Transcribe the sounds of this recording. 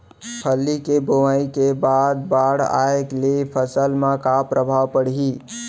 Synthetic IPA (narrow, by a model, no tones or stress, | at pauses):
pʰəlːikeboməikebad̪̚baɽa̰eklepʰəsəlmãkapɾʔəbʱawpəɽɦi